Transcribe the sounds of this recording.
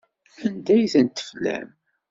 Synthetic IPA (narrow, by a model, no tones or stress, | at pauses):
ænd̪æjθənt̪ːə̥flæ̰m